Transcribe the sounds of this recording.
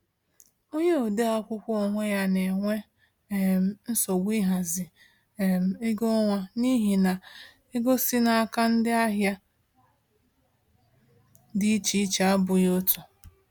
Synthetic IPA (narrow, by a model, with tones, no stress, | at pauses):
o˦ɲe˦o˨de˦a˦kʷʊ˦kʷo˨ŋʷe˦ja˦ne˨ŋʷe˦˨ | m̩˨n̩˦so˨ɡʷi˦ɦa˨zɪ˨ | m̩˨e˦ɡo˦ŋʷa˦ni˦ɦi˨na˨ | e˦ɡo˦si˦na˨a˦˨ka˦n̩˦dɪ˦a˦ɦja˦ | dɪ˦i˦t͡ʃi˨i˦t͡ʃa˦bʊ˨jo˦tʊ˨